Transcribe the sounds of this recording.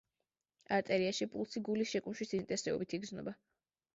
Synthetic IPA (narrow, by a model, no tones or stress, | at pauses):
aɾt̪ʼɛɾiaʃipʼulˠsiɡulisʃɛkʼumʃwisint̪ʼɛsɛɔ̰bit̪ʰiɡznɔ̰ba